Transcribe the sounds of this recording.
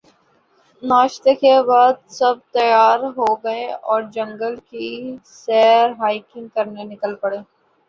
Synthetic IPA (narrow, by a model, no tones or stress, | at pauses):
naːʃt̪ekebaːd̪̚sɐb̚t̪ɐjaːɾɦoːɡɐeɔːɾd͡ʒɐ̃ŋɡəlkisɛːɾɦaːɪkɪ̃ŋɡ̚kɐɾnenɪkəlpɐɽeː